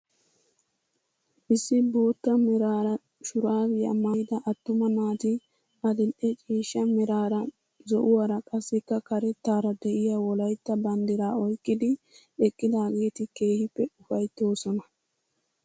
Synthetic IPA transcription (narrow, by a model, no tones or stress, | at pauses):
ʔɪsːɪbo̞ːt̪ːɐmɛɾaːɾɐ | ʃʊɾaːɡɪjɐ̰maːjd̪ɐʔɐt̪ːʊmɐnaːt̪ɪ | ʔɐd̪ɪlʔɛt͡ʃʼiːʃːɐmɛɾaːɾɐ | zɔʔʊwɐɾɐkʼɐsːɛkːɐkɐɾɛt̪ːaːɾɐd̪ɛʔɪjaːwɔlɐjt̪ːɐbɐnd̪ɪɾaːɔjkʼːɪd̪ɪ | ɛkʼːɪd̪aːɡe̞ːt̪ɪke̞ːhɪpːɛʊfɐjt̪ːo̞ːsɔnɐ